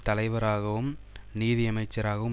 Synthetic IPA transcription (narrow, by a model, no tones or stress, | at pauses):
t̪ɐlɐɪʋɐɾaːɣɐʋɯm | niːðiɐmɐɪt͡ʃːɐɾaːɣɐʋɯm